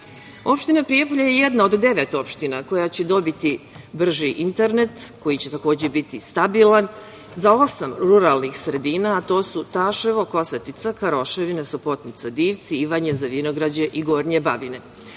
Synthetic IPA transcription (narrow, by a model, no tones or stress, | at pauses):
o̞pʃt̪inapɾijepoʎajejed̪naod̪d̪e̞ʋet̪o̞pʃt̪inako̞jat͡ɕe̞d̪o̞bit̪i | br̩ʒiʔint̪eɾne̞t̪ko̞jit͡ɕe̞t̪ako̞ːd͡ʑe̞bit̪ist̪abilan | zao̞samɾuɾalnixsɾe̞d̪iːnaːt̪o̞ːsut̪aːʃeʋoko̞sat̪it̪sakaɾo̞ʃeʋinesopo̞t̪nit̪sad̪iːʋt̪siiʋaɲezaʋino̞ɡɾad͡ʑeʔiɡo̞ːɾɲebabine̞